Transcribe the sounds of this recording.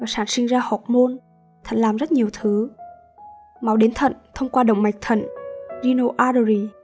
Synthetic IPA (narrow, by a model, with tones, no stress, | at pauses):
vaː˨˩saː˧˩nsi˧ŋzaː˧hɔ˨˩k͡p̚mo˧n | t̪ʰə̰˨˧˨ŋ̟laː˨˩mzə˦˥t̚ɲi˨˩əwt̪ʰɨ˨˦ | ma˨˦wɗe˨˦nt̪ʰə̰˧˨nt̪ʰə˧wŋ͡mkwaː˧ɗə̰˧˨ŋ͡mma˨˩k̚t̪ʰə̰˧˨ŋzi˧no˧ʔaː˧ɗo˧ɾi˧˩